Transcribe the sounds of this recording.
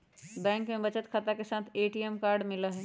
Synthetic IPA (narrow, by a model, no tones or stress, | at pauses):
bɛ̃ːŋkmẽbɐt͡ʃət̪kʰat̪akesaːt̪ʰeːʈiɛmkaːɾɖmɪlaɦɛː